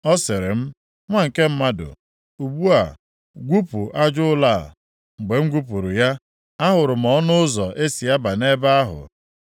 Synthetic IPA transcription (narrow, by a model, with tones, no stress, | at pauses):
ɔ˦sɪ˨ɾɪ˨m̩˦ | ŋʷa˦ŋ̩˨ke˦m̩˦ma˦dʊ̰˨ | u˨bu˦a̰˨ | ɡʷu˦pu˨ʔa˦d͡ʒʊ˦ʊ˦la˦˨ | ŋ͡m̩˨ɡ͡be˨ŋ̩˦ɡʷu˦pu˨ɾʊ˨ja˦ | a˦ɦʊ˨ɾʊ˨m̩˨ɔ˦nʊ˦ʊ˦zɔ˨ʔe˦si˨ja˦ba˨ne˦ba˦a˦ɦʊ̰˨